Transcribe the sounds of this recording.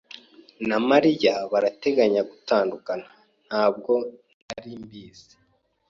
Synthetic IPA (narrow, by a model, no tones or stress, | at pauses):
namaɾijaβaɾate̞ɡaɲaɡutaːndukana | n̥haːb̚ɡo̞nn̥aɾimbiːze̥